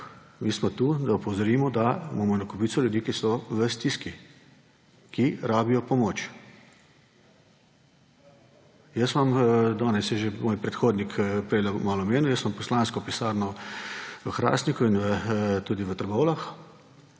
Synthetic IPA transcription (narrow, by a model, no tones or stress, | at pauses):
miːsmɔt̪uːd̪aupɔwzɔɾiːmɔd̪amamɔnakɔpiːt̪sɔljud̪iːkisɔʋəst̪iski | kiɾaːbijɔpɔmoːt͡ʃ | jəsmamd̪ɔːnɛsjɛʒemoːjpɾɛt̪xoːd̪nikpɾɛlɛmaːlɔmeːnujəsmampɔslaːnskɔpisaːɾnɔ | ʋəxɾa̰ːst̪nikuinʋət̪uːd̪iʋət̪əɾɡoːlax